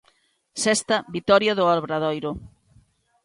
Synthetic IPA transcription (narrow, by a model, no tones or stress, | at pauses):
sɛst̪ɐbit̪ɔɾjɐðʊɔɾβɾaðojɾʊ